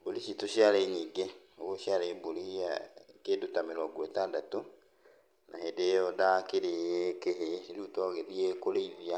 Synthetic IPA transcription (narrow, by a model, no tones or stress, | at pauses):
boliʃitoʃiaɾaiɲiːŋɡeoɣɔʃiaɾaiboliiakedotameɾɔɡwɛtadato | nʔa̰hedejɔdakeɾeekeɦeɾutɔɣeðiɛkoleivia